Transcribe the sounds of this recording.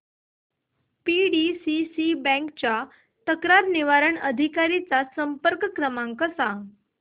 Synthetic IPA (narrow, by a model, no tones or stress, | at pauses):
piɖisisibɛ̃ŋkt͡ɕa | t̪əkɾaɾniʋaɾəɳəd̪ʱikaɾit͡sasəmpəɾkkɾəmãŋkəsa